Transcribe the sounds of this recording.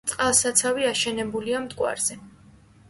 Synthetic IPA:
t̪sʼqʼalˠsat̪sʰaviaʃɛnɛbuliamt̪ʼkʼwa̰ɾz̥ɛ

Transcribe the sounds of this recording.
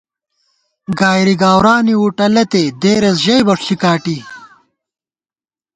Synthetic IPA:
ɡaːjɾiɡaːwɾaːniwuʈɐlɐt̪ed̪eːɾɐsʑɐjbɐʂɕikaːʈi

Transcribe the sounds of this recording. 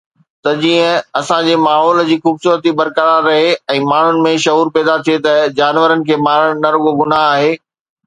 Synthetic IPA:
t̪ɐd͡ʑiːə̃ɐsãd͡ʑeːmaːɦɔːld͡ʑiːxuːbsuːɾət̪ibɐɾkəɾaɾɐɦeɛ̃ːmaːɳ̤ʊnɪ̆mẽʃɐɦuːɾpɛːd̪at̪ʰiet̪ɐd͡ʑaːnʋəɾənɪ̆kʰeːmaːɾəɽ̃nɐɾɡoɡʊnaɦaːɦeː

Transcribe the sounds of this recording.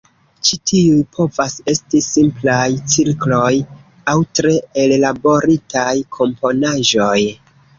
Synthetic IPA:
t͡ʃitʰiujpʰo̞vase̞stisimplajt͡siɾklo̞j | awtɾe̞ellabo̞ɾitajkʰo̞mpo̞naʒo̞j

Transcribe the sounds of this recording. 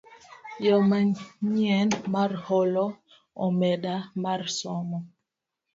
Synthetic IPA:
jɔmaɲiɛnmaɾhɔlɔ | ɔmɛɗamarsɔmɔ

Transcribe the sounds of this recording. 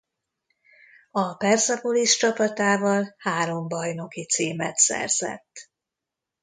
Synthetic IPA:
ɒpɛrzɒpoliʃt͡ʃɒpɒt̪aːvɒlhaːɾo̞mbɒjno̞kit̪siːmɛt̪sɛ̰rz̥ɛ̰t̪ː

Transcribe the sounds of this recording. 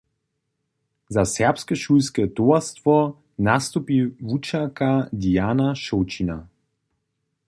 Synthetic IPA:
zasɛɐpskəʃulskət̪oɐstvɔ | nast̪upivut͡ʃakad̪iaːnaʃot͡ʃina

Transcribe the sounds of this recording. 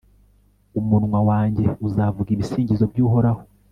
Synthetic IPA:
umunŋwawaːɲɟe̞uzavuɡiβisiːɲɟizo̞bjuːɦo̞ɾaho̥

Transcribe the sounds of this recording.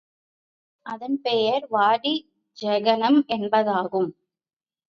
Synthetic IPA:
ʔɐðɐnpɛjɐɾʋaːɽi | d͡ʒɛɣɐnɐmʔɛnbɐðaːɣɯm

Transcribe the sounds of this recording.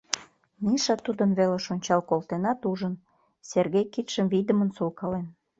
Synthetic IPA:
niʃɑt̪ud̪ənβeleʃonʲt͡ɕɑlkolt̪enɑt̪uʒən | serɣejkit̪ʃəmvid̪əmənsolkɑlen

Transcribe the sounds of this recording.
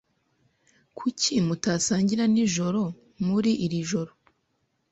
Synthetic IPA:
kʰucʰimutaːsaːɲɟiɾaniʒo̞ɾo̞ | muɾiʔiɾiʒo̞ɾo

